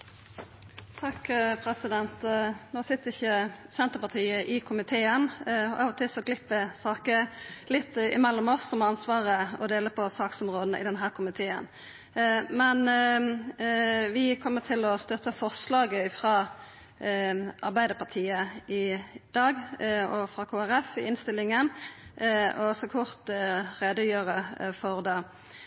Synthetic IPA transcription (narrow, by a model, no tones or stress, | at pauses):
t̪ʰɑkːpʰɾɛsɪd̪ɛnt̪noːsɪt̪ːəɾɪçːəsɛnt̪əpɑt̪ʰiːəʔɪkʰʊmɪt̪ʰeːənʔɑ̰ːʋɔt̪ʰɪlsɔɡlɪpːʋəsɑːkəlɪt̪ːɪ̰mɛlːɔmɔsːɔmɑnsʋɑːʁəɔd̪eːləpʰɔsɑːksɔmʁoːd̪nəʔɪ̰d̪ɛnɦæːʁkʰʊmɪt̪ʰeːə̰n | mɛn | ʋɪkʰɔmːət̪ʰɪlɔst̪œt̪ːəfɔʁʂlɑːɡəɪfʁɑː | ʔɑʁbæɪd̪əpʰɑt̪ʰiːəɪd̪̥ɑːɡɔfɾɑkʰoːæʁɛfɪɪnst̪ɪlɪŋən | ɔɔsɔkʰʊʁt̪ʁeːd̪əjøːʁəfɔʁd̪ɑː